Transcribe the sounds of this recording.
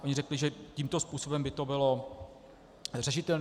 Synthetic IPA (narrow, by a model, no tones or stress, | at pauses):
ʔoɲɪɾ̝ɛklɪʒɛciːmt̪ospuːsobɛmbɪt̪o̞bɪlo̞ | rɛʃɪt̪ɛln